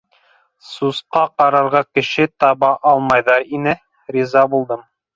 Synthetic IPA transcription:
susqɑqɑɾɑɾʁɑkɘ̆ʃɘt̪ɑβɑʔɑlˠmɑjðɑɾinɘ | ɾʲizɑbulˠd̪ɤm

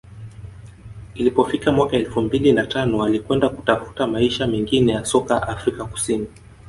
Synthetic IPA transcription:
ilipɔfikamwakaɛlfumbilinatanɔwalikwɛndaku̥tafu̥tamaiʃamɛŋɡinɛjasɔkaʔafɾikaku̥sini

